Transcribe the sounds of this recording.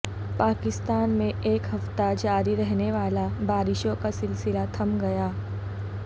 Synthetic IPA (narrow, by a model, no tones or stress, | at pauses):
paːkɪst̪aːnmẽʔeːkɦɐft̪ad͡ʒaːɾiɾɛɦneʋaːlabaːɾɪʃõkasɪlsɪlat̪ʰɐmɡɐjaː